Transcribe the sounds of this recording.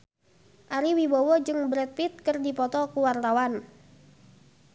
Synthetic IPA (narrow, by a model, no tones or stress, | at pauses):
ʔaɾiwibɔwɔd͡ʒɨŋbɾɛt̪̚pit̪̚kərdipɔt̪ɔkuwart̪awan